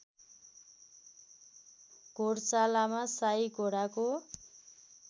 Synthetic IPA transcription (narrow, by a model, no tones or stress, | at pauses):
ɡ̥ʱoɽt͡salamasajɡʱoɽako